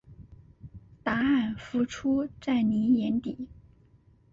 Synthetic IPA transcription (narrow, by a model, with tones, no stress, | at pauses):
t̪a˧˥a˥˩nfu˧˥˩ʈ͡ʂʰu˥ʈ͡ʂa˥˩ɪni˧˥jɛ˧˥nt̪i˨˩˦